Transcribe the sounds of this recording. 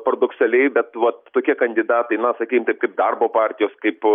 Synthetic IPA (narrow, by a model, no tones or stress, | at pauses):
pɾoːd̪ʊksʲɛlʲɛɪbʲɛt̪ʋɐt̪t̪oːkʲiɛkɐnʲd̪ʲɪd̪ɑːt̪ɐɪnɐsɐkʲiːkɪmt̪ɐɪp̚kɐɪp̚d̪ɐrboːpɑːɾʲt̪ʲɪjoːskɐɪp